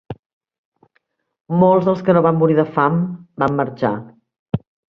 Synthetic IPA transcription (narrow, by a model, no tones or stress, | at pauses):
molˠzðəlˠskənoβamːuɾiðəfambamːəɾt͡ʃa̰